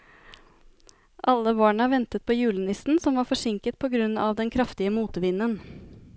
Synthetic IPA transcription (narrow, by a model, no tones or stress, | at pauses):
ʔɑlːəʋɑːɳɑʋɛnt̪ət̪̚pʰoːjʉːlənɪsn̩sɔmʋɑːɾfɔʂɪŋkət̪̚pʰɔɡɾʉnːɑʋd̪ɛnkʰɾɑft̪ɪəmuːt̪əʋɪnːən